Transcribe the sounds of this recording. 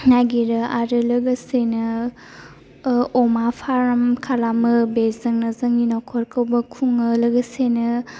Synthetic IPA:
naɡiɾɯaɾɯlɐɡɐsenɯ | ɔmapʰaɾɐmkʰalamɯbezɐŋnɐzɐŋinɔkʰɔɾkʰɐwbɐkʰuŋɯlɐɡɐsenɯ

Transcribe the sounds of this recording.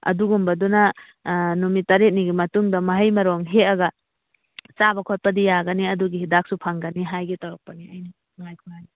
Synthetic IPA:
ɐ̰duɡumbɐdunɐ | numitɐɾet̚niɡimɐtuŋdɐmɐɦɐjmɐɾoŋɦeɐɡɐ | t͡ʃabɐkʰot̚pɐdijaɡɐniɐduɡihidak̚supʰɐŋɡɐniɦajɡitɐɾɔk̚pɐniajni | ŋajkʰunani

